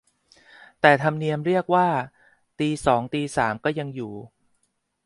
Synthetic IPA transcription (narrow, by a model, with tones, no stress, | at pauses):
t̪ɛː˨˩t̪ʰa˧mni˧əmɾi˥˩ək̚waː˥˩ | t̪iː˧sɔː˩˦ŋt̪iː˧saː˩˦mkɔː˥˩ja˧ŋjuː˨˩